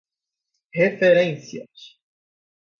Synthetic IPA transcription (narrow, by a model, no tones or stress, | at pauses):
hefeɾẽsiɐ̰s